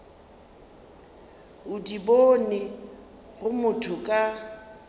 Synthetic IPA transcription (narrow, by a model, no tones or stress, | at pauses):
ʊdibonɪ | ɣʊmʊtʰʊkʼa